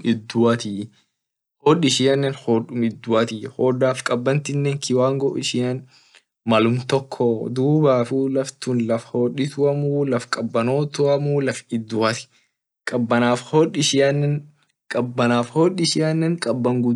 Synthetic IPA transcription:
ɪd̪ːʊɐt̪ɪ | hoːᶑɪʃɪɐnːɛnhoːᶑʊmɪd̪ːʊɐt̪ɪhoːdaːfkʼɐbːɐnt̪ɪnːeːŋkʰɪwaːŋɡɔɪʃɪɐn | mɐlʊmt̪ɔkʰːɔd̪uːbaːfuːlɐft̪ʊnlɐfhoːᶑɪt̪ʊɐmuːlɐfkʼɐbːɐnoːt̪ʊɐmulɐfɪd̪ːʊɐt̪ɪ̥ | kʼɐbːɐnaːfhoːᶑɪʃɪjɐnːɛn | kʼɐbːɐnaːfhoːᶑɪʃɪɐnːɛŋkʼɐbːɐŋɡʊ

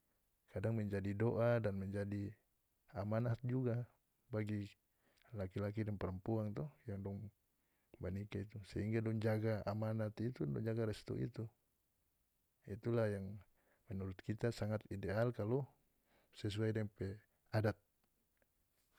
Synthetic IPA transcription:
kadaŋmɛɲd͡ʒadidoʔadanmɛɲd͡ʒadi | amanat̪̚d͡ʒuɡa | baɡi | lakilak̬idɛŋpɛɾəmpuaŋt̪ɔhjaŋdɔŋ | banikait̪usɛɦiŋɡadɔŋd͡ʒaɡaa̰manat̪it̪udɔŋd͡ʒaɡaɾɛst̪ɔ̰ʔḭt̪u | ḭt̪ulahjaŋ | mɛnuɾut̪̚kit̪asaŋat̪idɛalkalɔ | sɛs̬uajdɛŋpɛ | adat̪̚

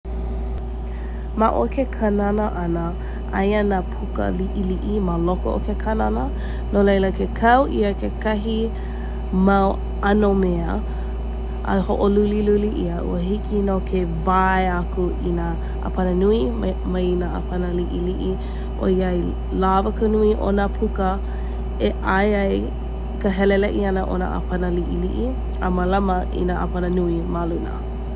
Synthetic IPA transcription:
maʔo̰kʰekʰananəʔɐnə | ʔɐ̰janaːpʰukə̰liʔiliʔimaloko̰ʔo̰kekʰananə | nolejləkekʰɐwʔḭəkʰekɐɦi | maw | ɐnomeə | ɐ̰hoʔoluliluliʔḭaʔṵəɦikinokʰevaeakuina | ʔa̰pʰɐnənui | mɐjinaʔa̰pʰɐnəliʔiliʔi | ʔo̰iɐj | lavəkənuiʔo̰napʰukə | eʔajɐj | kəɦɛlelɛʔiɐnəʔo̰na̰ʔa̰pʰɐnəliʔiliʔi | əmɐlɐməʔḭnaʔa̰pʰɐnənuimalunə̰

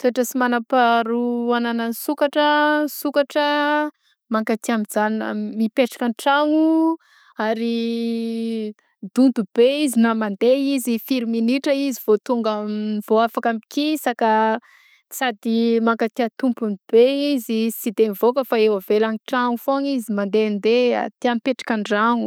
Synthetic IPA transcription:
t̪oaʈ͡ʂəsimanapaɾuananansukaʈ͡ʂəsukaʈ͡ʂə | maŋkat̪iamizanəmipeʈ͡ʂḁkanʈ͡ʂaŋu | aɾi | d̪̥und̪ub̥eizinamand̪eizifiɾiminiʈ͡ʂəiziv̥ot̪uŋɡaiv̥oafakamikisaka | sad̪imaŋkat̪iat̪umpunb̥eizit͡sid̪enivokəfaewəvelanʈ͡ʂaŋufoŋizimand̪eand̪ea̰t̪iamipeʈ͡ʂḁkanɖ͡ʐaŋu

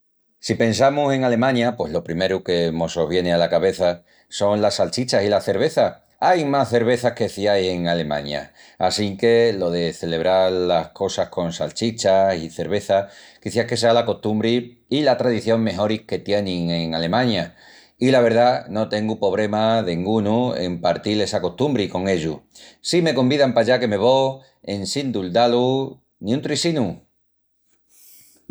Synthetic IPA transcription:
sipe̞nsamuse̞ŋale̞mãɲapwe̞zlo̞pɾime̞ɾuke̞mo̞so̞β̞je̞nealakaβe̞θa | so̞ŋlasalt͡ʃit͡ʃasilaθe̞ɾβ̞e̞θa | ajmasθe̞ɾβ̞e̞θake̞θiajse̞ŋale̞mã̰ɲa̰ː | siŋke̞lo̞ðe̞θe̞le̞β̞ɾaɾlahko̞sahko̞nsa̰lt͡ʃit͡ʃasiθe̞ɾβe̞θa | kiθake̞s̬ealako̞st̪umbɾiː | lat̪ɾaðiθjo̞ŋme̞ɦo̞ɾike̞t̪je̞nĩŋe̞ŋale̞mãɲa | ilaβ̞e̞ɾð̞ano̞t̪e̞ŋɡupo̞β̞ɾe̞maðeŋɡunuḛmpaɾt̪ilesako̞st̪umbɾiko̞ŋe̞ʎusime̞ko̞mbiðampaʝake̞me̞β̞o̞ | e̞nsind̪uld̪alu | nĩũnt̪ɾisinu

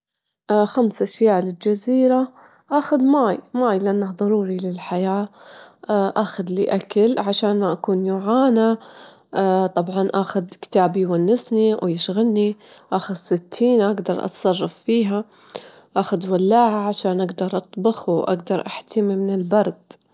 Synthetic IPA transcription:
ʔxamsʔaʃjaːʔlɪld͡ʒaziːɾa | ʔaːxʊd̪maːjmaːjlɪʔanːahd̪ˤɑɾˤuːɾilɪlħajaː | ʔaːxad̪liʔakalʕaʃaːnʔakuːnjʊʕaːna | t̪ˤɑbʕɑnʔaxʊd̪kɪ̥t̪aːbijwanːɪsniwjɪʃɣalni | ʔaxʊd̪sɪt̪ʰːiːnʔaɡd̪ɑɾˤʔɑ̰t̪sˤɑrˤːɑffiːɦa | ʔaːxʊd̪walːaːʕaʕaʃaːnʔaɡd̪ɑɾˤʔɑt̪ˤbɑxuwʔa̰ɡd̪ɑɾˤʔaħt̪ɪmimɪnɪlbɑɾˤd̪̥

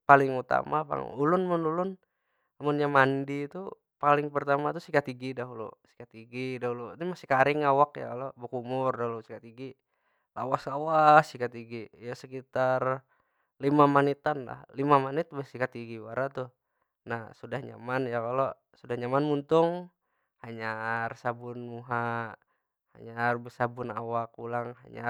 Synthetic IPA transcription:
palɪŋut̪a̰mapa̰ŋ̰ulʊnmʊnulʊn | mʊnjamandit̪u | palɪŋpərt̪amat̪usikat̪iɡidaɦulṵsi̥kat̪iɡidaɦulut̪imasikaɾɪŋawakja̰kalobəkumʊrdaɦulusikat̪iɡi | la̰waslawasikat̪iɡijasəkit̪ar | limamanit̪anla̰hlimamanit̪̚bɛsikat̪iɡiwaɾat̪uh | nahsudahɲa̰manjakalo | sudahɲamanmunt̪ʊŋ | haɲarsabunmuɦa | ha̰ɲarbɛsabunawak̚ulaŋɦa̰ɲa

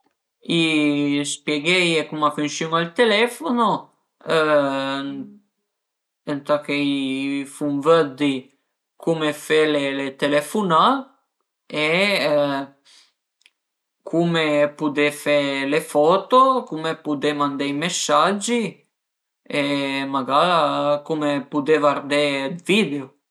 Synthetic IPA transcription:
ispjeɡɛjekumafynsuŋalt̪elɛfono | nt̪akejfumvəd̪i | kʰumefelelet̪elɛfuna | e | kʰumepud̪efelefɔːt̪okumepud̪emand̪ejmesːad͡ʒːi | emaɡakumepud̪evaɾd̪ed̪vid̪eo

